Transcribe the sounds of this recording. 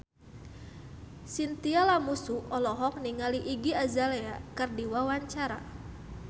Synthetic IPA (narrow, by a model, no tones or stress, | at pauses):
sint̪ialamusuɔlɔɦɔk̚niŋaliʔiɡiazalɛakɨrdiwawaɲt͡ʃaɾa